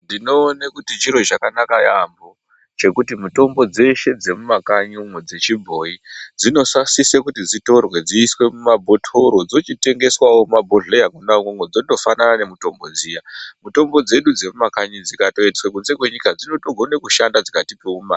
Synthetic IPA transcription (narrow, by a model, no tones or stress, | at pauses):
ndinoːnakutit͡ʃiɾo̞t͡ʃakanakajambo | t͡ʃe̞kutimuto̞mbo̞d͡ze̞ʃe̞d͡ze̞mumakaɲumwed͡ze̞t͡ʃibʱo̞id͡zino̞sasisekutid͡zito̞rwe̞d͡ziːswe̞mumabʱo̞tʰoɾo̞d͡zo̞t͡ʃite̞ŋɡe̞swawomabʱoɮejakunakoŋwod͡zo̞ndo̞fananane̞muto̞mbo̞d͡zijamuto̞mbo̞d͡ze̞ɗud͡ze̞mumakaɲid͡zikato̞etiswekunze̞kwe̞ɲikad͡zino̞toɡʱo̞nekuʃandad͡zikatipeuma